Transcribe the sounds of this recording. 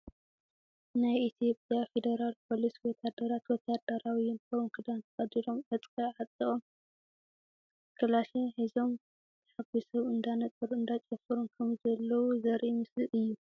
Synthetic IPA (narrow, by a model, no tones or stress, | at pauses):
najʔit̪ʰijo̞pʼjafe̞d̪ɐɾalpʰo̞liswɔt̪ʰad̪ɐɾat̪wɔt̪ʰad̪ɐɾawiɪnkʰɐunkʰɨd̪ant̪ʰɐχʼɐd̪ilomʕɐt͡sʼkʼɐʕat͡s̪ʼiχʼom | kʰɨlaʃiħizo̞m | ħaɡisɐβɨnd̪anɐt̪ʼɨɾuɨnd̪at͡ʃʼɐfɨɾunkʰɐmzɐlːɐwuzɐɾʔimɨslɨʔɨjːu